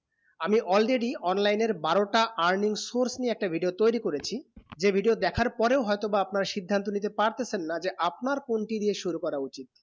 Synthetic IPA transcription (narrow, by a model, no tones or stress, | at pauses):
amiʔɔlɾeɖiɔnlajneɾbaɾoʈaʔaɾniŋsoɾsnieɛk̚ʈabʱiɖiot̪ojɾikoɾet͡ɕʰid͡ʑebʱiɖiod̪ɛkʰaɾpɔɾeoɦɔjt̪obaapnaɾaʃid̪ʱːant̪̬onit̪̬epaɾt̪et͡ɕʰenːad͡ʑeʔapnaɾkonʈid̪ieʃuɾukɔɾaut͡ɕit̪̚